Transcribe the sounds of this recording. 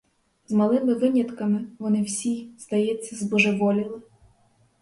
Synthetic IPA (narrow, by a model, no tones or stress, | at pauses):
zmɐlˠɪmɪʋɪnʲjɐt̪kɐmɪʋɔnɪwsʲiz̥d̪ɐjɛt͡sʲːɐzbɔʒeʋɔlʲɪlˠɪ